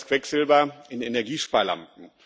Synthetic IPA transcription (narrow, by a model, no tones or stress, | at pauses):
kv̥ɛkz̥ɪlbɐɪnenɛɐɡiːʃpaːɐla̰mp̚n̩